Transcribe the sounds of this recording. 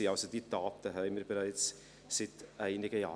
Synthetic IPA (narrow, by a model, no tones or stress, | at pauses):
iɑlsodid̪̥ɑːt̪əɦɛɪməɾbəɾɛɪt͡s | sɪt̪æɪnɪɡəjɑː